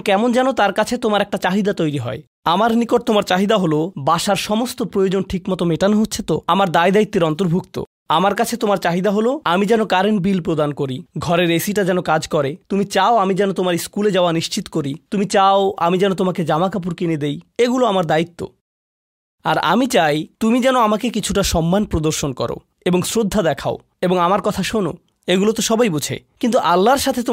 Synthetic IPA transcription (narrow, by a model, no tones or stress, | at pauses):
kɛmond͡ʑɛnot̪aɾkat͡ɕʰet̪omaɾɛk̚ʈat͡ɕaɦid̪at̪ojɾiɦɔ̰e | amaɾnikoʈ̚t̪omaɾt͡ɕaɦid̪aɦolobaʃaɾʃɔmost̪opɾojod͡ʑonʈʰikmɔt̪omeʈanɦotːɕʰet̪oamaɾd̪aed̪ait̪ːeɾɔnt̪oɾbʱukt̪o̰ | amaɾkat͡ɕʰet̪omaɾt͡ɕaɦid̪aɦoloamid͡ʑɛnokaɾenbilpɾod̪ankoɾiɡʱɔɾeɾesiʈad͡ʑɛnokad͡ʑkɔɾet̪umit͡ɕaoamid͡ʑɛnot̪omaɾiskuled͡ʑaoaniʃt͡ɕit̪o̥koɾit̪umit͡ɕaoʔa̰mid͡ʑɛnot̪omaked͡ʑamakap̬uɾkined̪ejeɡuloamaɾd̪ait̪ːo̰ | a̰ɾa̰mit͡ɕajt̪umid͡ʑɛnoamakekit͡ɕʰuʈaʃɔmːanpɾod̪oɾʃonkɔ̰ɾo̰ | eboŋsɾod̪ʱːad̪ɛkʰao | eboŋamaɾkɔt̪ʰaʃono̰ | eɡulot̪oʃɔbajbut͡ɕʰḛkint̪uʔalːaɾʃat̪ʰet̪